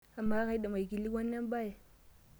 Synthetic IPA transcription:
a˨ma˦ɣa˦i˦ɗa˨ma˨i˨ɡi˨li˦ɡwa˦nː˦a˦m˦ba˦˨j

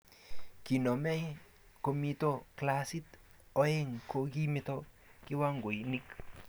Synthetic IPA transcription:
ki˨nɔ˨mɛ˦ | ko˨mi˧to˦klasi˦t | o˦e˦ŋko˧ki˦mɪto˦ | ki˦wa˦ŋɡo˨nɪk

